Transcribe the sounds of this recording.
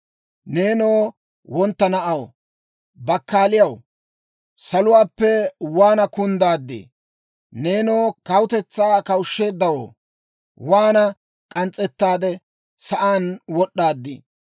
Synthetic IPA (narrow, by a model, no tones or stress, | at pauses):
ne̞ːno̞ː | wɔnt̪ːɐnɐʔɐw | bɐkːaːlɪjɐw | sɐlʊwaːpːɛwaːnɐkʊnd̪aːd̪ːɪ̰ | ne̞ːnoːkɐwʊt̪ɛt͡sːaːkɐwʊʃːe̞ːd̪ːɐwo̰ː | waːnɐ | kʼɐnt͡sʼːɛt̪ːaːd̪ɛ | sɐʔaːnwɔɗːaːd̪ːɪ̰